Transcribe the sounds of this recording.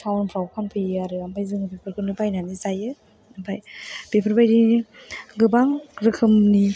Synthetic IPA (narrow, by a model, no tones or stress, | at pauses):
sʰawnpʰɾawkʰanpʰɯjɯaɾɯampʰajzɯŋɯbepʰɯɾkʰɯnɯpʰajnanizajɯ | nɯpʰajb̥epʰɯɾbajɾi | ɡɯbaŋɾɯkʰɯmni